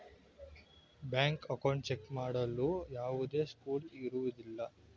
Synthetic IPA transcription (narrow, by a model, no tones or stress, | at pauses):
bjaːŋkɐkɐwɳɖ̚t͡ʃekːmaːɽɐlːujaːʋud̪e̞ːskuːliɾuʋud̪ilːɐ